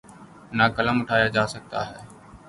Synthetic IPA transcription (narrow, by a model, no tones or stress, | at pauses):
naːkələmʊʈʰaːjaːd͡ʒaːsək̚t̪a̰ːɦɛː